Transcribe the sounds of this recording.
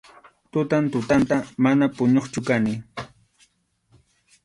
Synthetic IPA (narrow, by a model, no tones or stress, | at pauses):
t̪ʊt̪ant̪ʊt̪ant̪amanapʊɲoχt͡ʃʊkanɪ